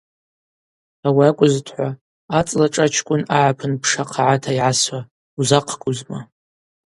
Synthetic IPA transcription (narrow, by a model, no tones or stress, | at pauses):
awiakʷʼʊztʰħʷa | at͡sʼlaʈ͡ʂʼat͡ʃʰkʷʼʊnaʕapʰɨnpʰʂaqʰaʕatʰaiʕaswa | uzaqʰkʼʊzma